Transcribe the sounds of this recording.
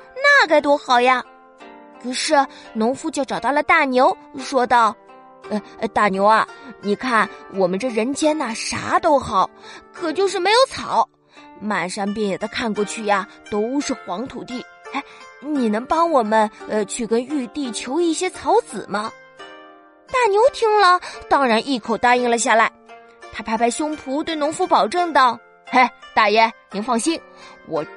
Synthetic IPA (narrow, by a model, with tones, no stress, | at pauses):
na˥˩ka˥˩ɪt̪wɔ˥xɑ˨˩ʊja˧ | kʰɤ˨˩ʂɻ̩˥˩nʊ˧˥ŋfu˥˧t͡ɕjo˥˩ʊʈ͡ʂɑ˨˩t̪ɑ˥˩lə˩t̪a˥˩njo˧˥ʊ | ʂwɔ˥t̪ɑ˥˩ʊ | ə˧˩˧t̪a˥˩njo˧˥ʊɐ˧ni˨˩kʰa˥˩nwʔɔ˨˩mə˦nʈ͡ʂɤ˥˩ɻə˧˥nt͡ɕjɛ˥nɐ˨ʂa̰˧˥t̪o˥ʊxɑ˨˩˦ʊkʰɤ˨˩t͡ɕjo˥˧ʊʂɻ̩˥˩me˧˥ɪjo˨˩ʊt͡sʰɑ˨˩˦ʊ | ma˨˩nʂɑ˥ŋp̬jɛ˥˩njɛ˨˩d̪ə˦kʰa˥˧nkwɔ˥˧t͡ɕʰy˥˩ja˩ | t̪o˥ʊʂɻ̩˥˩xwɑ˧˥ŋt̪ʰu˨˩t̪i˥˩ | e˥˩ɪni˨˩nɤ˧˥ŋpɑ˥ŋwɔ˨˩mə˦n˧t͡ɕʰy˥˩kə˥ny˥˧t̪i˥˩t͡ɕʰjo˧˥ʊi˥˩ɕjɛ˥t͡sʰɑ˧˥ʊt͡sɹ̩˨˩mɐ˦ | t̪a˥˩njo˧˥ʊt̪ʰi˥ŋlə˨t̪ɑ˥ŋɻa˧˥nʔi˥˩kʰo˨˩ʊt̪a˥˧i˥˩ŋlə˨ɕja˥˩la˧˥ɪ | t̪ʰa˥pʰa˥pʰa˥˩ɪɕjʊ˥ŋpʰu˧˥t̪we˥˩ɪnʊ˧˥ŋfu˧˥˩pɑ˨˩ʊʈ͡ʂɤ˥˧ŋt̪ɑ˥˩ʊ | e˥˩ɪt̪a˥˩jɛ˥˩ni˧˥ŋfɑ˥˩˧ŋɕi˥n | wɔ̰˨˩